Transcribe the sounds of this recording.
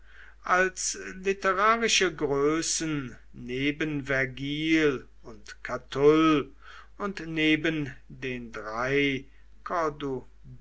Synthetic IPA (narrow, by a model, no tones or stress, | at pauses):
ʔalslitəʁaːʁɪʃəɡʁøːsənː | eːbənvɛɐɡiːl | ʊntkʰatʰʊl | ʊntneːbəndeːndʁaɪ | kʰɔdu